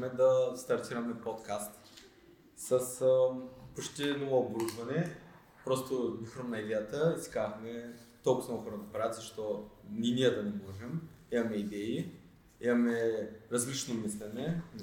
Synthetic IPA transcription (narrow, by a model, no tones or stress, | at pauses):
mɛd̪ɐst̪ɐɾt̪iɾɐmɛpot̪kast̪ | sɐs | pot͡ʃt̪ɛnovoobɾud̪vɐnɛ | pɾɔst̪ob̪ixɾomnɐid̪ɛjət̪əizi̥kaxmɛt̪olˠkʊsaoxɔɾɐd̪ɐpɾavʲət̪zɐʃt̪ɔninijəd̪ɐnɛmɔʒɛm | imɐmɛid̪ɛi | imɐmɛɾɐzlit͡ʃnomislɛnɛ